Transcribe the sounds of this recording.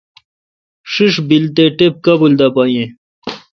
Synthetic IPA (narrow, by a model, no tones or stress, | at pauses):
ʂiʂbilt̪eʈep̚kɐbuld̪ɐpaːjẽ